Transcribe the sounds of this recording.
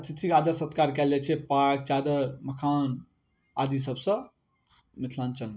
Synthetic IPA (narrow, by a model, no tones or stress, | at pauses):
ət̪ʰit̪ʰikad̪əɾsət̪kaɾkɛld͡ʒɛt͡ʃʰɛpak̚t͡ʃad̪əɾməkʰan | ad̪is̬əbsə̃ | mit̪ʰlant͡ʃəln